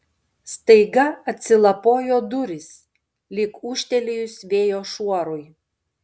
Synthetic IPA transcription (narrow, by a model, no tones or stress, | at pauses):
st̪ɐɪɡɐɐt̪ʲsʲɪlˠɐpoːjoːd̪ʊɾʲɪs | lʲɪkuːʃʲt̪ʲɛlʲɪjʊsʋʲeːjoːʃuɔɾʊj